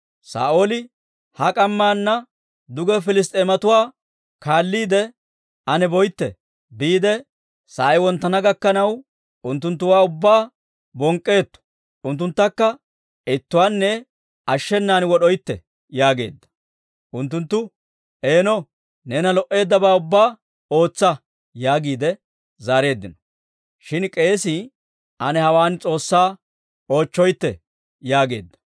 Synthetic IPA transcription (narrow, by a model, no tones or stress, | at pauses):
sa̰ːʔoːlɪ | hɐkʼɐmːaːnːɐ | d̪ʊɡɛfɪlɪs̬t̪ʼeːmɐt̪ʊwaː | kaːlːiːd̪ɛ | ɐnɛbɔjt̪ːɛ̰ | biːd̪ɛ | saːɪwɔnt̪ːɐnɐɡɐkːɐnɐw | ʊnt̪̬ːʊnt̪ːʊwaːʊbːaː | bɔŋkʼːe̞ːt̪ːɔ̥ | ʊnt̪ːʊnt̪ːɐkːɐ | ɪt̪ːʊwaːnːɛ | ɐʃːɛnːaːnwɔɗɔjt̪ːɛ | jaːɡe̞̰ːd̪ːɐ̥ | ʔʊnt̪ːʊnt̪ːʊ | ʔeːnɔ | nɛnɐlɔʔe̞ːd̪ːɐbaːʊbːaː | o̞ːt͡sːɐ | jaːɡiːd̪ɛ | zaːɾe̞ːd̪ːɪnɔ̥ | ʃɪnkʼe̞ːsɪ | ʔɐnɛhɐwaːnt͡sʼo̞ːsːaː | o̞ːt͡ʃːɔjt̪ːɛ | jaːɡeːd̪ːɐ̥